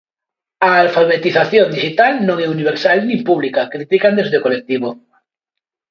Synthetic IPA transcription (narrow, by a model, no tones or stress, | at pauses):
aːlfaβet̪iθaθjond̪iʃit̪alnõŋɛuniβ̞eɾsalnĩmpuβ̞likakɾit̪ikand̪ezðeokolek̚t̪iβ̞o